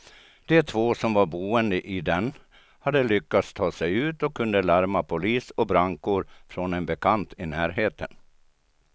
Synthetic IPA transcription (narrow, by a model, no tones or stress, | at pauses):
d̪̥ɛt̪ʰvoːsɔmvaɾbuːənd̪əʔɪd̪ɛn | had̪ːəlʏkːat̪st̪ʰɑːsɛjʉ̟ːt̪ɔkʰːɵnd̪əlaɾmapʰʊliːsɔbɾaŋkʊɾfɾɔnɛnbɛkʰant̪ʰɪnæːɾɦeːt̪ʰən